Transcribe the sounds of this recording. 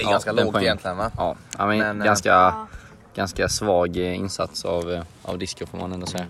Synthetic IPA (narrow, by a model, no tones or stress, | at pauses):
ɡaskalɛpʰɔɛjɛnt̪ʰlɪənajɑːaɪmɛnɡanska | ɡ̥anskasvɑːɡɪ̰nsa̰t̪savʔɑ̰vd̪ɪskʊɾfoɾmanɛnd̪ʊsɛjːa